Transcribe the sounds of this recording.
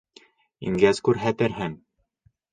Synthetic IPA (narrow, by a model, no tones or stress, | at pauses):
ḭŋɡæzkʉɾɦæt̪ɘ̆ɾɦɘŋ